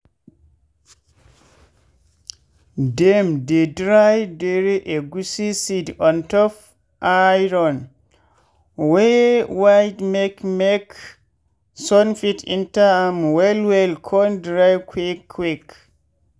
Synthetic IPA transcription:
dɛmdedɾajdeɾiʔeɡusisidɔntɔf | ʔajɾɔn | wɛwajdmɛkmɛk | sɔnfitʰḭntamwɛlwɛlkʰɔndɾajkʰwekʰwik

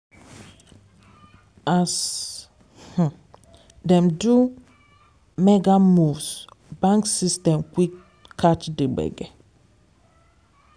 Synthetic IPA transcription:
as | h̩ | dɛ̃mdu | mɛɡamusbãŋksistɛ̃mkwik | kʰːat͡ʃdibɛ̰ɡɛ

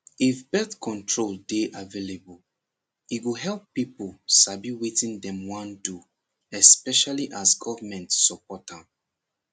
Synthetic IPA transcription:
ifbɛθkʰɔ̃ntʰɹoldeʔavelebɔl | itwiɦɛlˠpːipəlsabiwitĩndɛ̃mwãndu | ɛspɛʃaliʔazɡɔvəmɛ̃ntsɔpɔtab

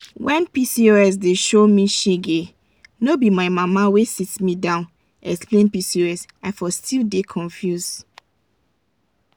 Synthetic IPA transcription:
wɛ̃npisioɛs̬deʃomiʃeɡe | nobimaɪmamawesitmidãʊ̃n | ɛksplẽnpisiɛsaɪfɔstʰildekʰɔ̃nfjus

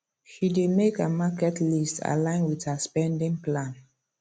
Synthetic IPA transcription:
ʃidemekəmakɛtlista̰lãɪ̃nwithəspɛ̃ndĩŋplãn

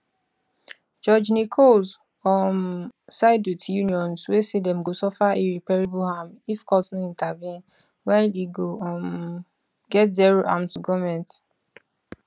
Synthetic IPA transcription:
d͡ʒɔd͡ʒnikʰɔlz | fɔmsaɪdutjuniɔ̃nswesedɛ̃mɡosɔfaiɹipɛɹebuhamifkɔsnɔĩntavjɛ̃n | waleɡoɔm | ɡɛtzɛɹoʔamtuɡɔmɛ̃nt

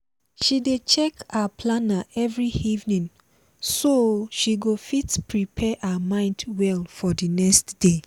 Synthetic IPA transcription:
ʃidet͡ʃɛkaapʰlanaɛvɹiivnĩŋ | soʃiɡofitpʰɹipʰɛʔawamãɪ̃ndwɛlfɔdinɛkstd̥e

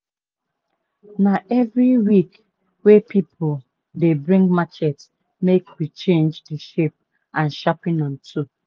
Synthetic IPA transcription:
naʔɛvɾiwik | wepʰipʰʊl | debɾĩŋɡmat͡ʃɛt | mekwit͡ʃẽnd͡ʒdiʃep̚ | ãn̩ʃapĩnãn̩tʰu

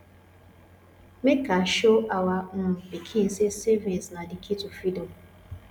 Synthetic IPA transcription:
mekaʃoawam̩bikʰin̩sesevinsnadikitufidom

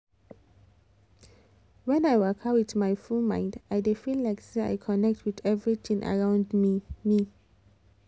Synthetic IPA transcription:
wɛ̃najwakʰawitmajfulmã̰ɪ̃ndajdefillajksea̰jkʰɔnɛk̚tʰwiθɛvɹiθĩŋʔa̰ɹãʊ̃ndmi

